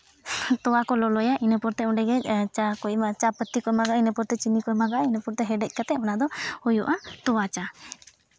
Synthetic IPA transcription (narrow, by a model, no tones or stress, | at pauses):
t̪ɔwakɔlɔlɔjaʔinəpɔɾt̪ɛɔ̃ɳɖɛɡɛt͡ʃakɔjmat͡ʃapət̪ːikɔmaɡaʔinəpɔɾt̪ɛt͡ʃinikɔɛmaɡaʔinəpɔɾt̪ɛɦɛɖɛc̚ˀkat̪ɛɔnad̪ɔhujuʔat̪ɔwat͡ʃa